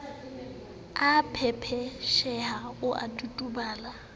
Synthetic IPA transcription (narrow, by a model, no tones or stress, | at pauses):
apʰɛpʰɛʃɛhaʊʔa̰tʼutʼubaːla